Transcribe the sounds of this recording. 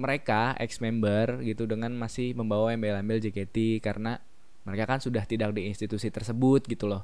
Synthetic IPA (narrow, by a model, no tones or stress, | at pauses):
məɾekaʔɛ̰ksmɛmbərɡit̪udəŋanmasɪhməmbawaɛmbajlambɪld͡ʒeket̪ikaɾəna | məɾekakansudaht̪idak̚diːnst̪it̪usit̪ərsəbʊt̪̚ɡit̪ulɔh